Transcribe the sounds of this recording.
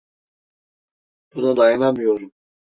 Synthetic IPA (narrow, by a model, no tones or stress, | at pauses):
b̥unad̪ajanamɯjo̞ɾum